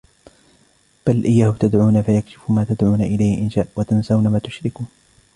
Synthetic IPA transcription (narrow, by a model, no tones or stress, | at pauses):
b̥alʔɪjːaːhʊt̪ad̪ʕuːnafajakʃɪ̥fʊmaːt̪ad̪ʕuːnaʔɪlajhɪʔɪnʃaːʔwat̪ansawnamaːt̪ʊ̥ʃɾɪkuːn